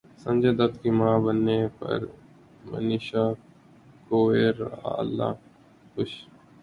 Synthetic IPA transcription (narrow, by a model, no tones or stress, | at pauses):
sə̃nd͡ʒeːd̪ət̪kiːmãːbənːeːpɐ̰ɾ | mə̰niːʃaː | koːeːɾa̰lːa̰ː | kʊʃ